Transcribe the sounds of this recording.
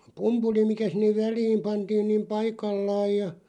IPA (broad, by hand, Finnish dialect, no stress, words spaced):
pumpuli mikæ sinːeʋ ʋælˑiːm pɑntiːn niːm pɑikɑlːɑːj jɑ